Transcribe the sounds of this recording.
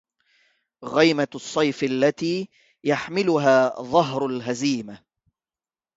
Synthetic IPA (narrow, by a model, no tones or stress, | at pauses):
ɣijmasˤːɑjfalːat̪iː | jaħmɪlʊɦaːðˤɑɦɾˤʊlɦaziːma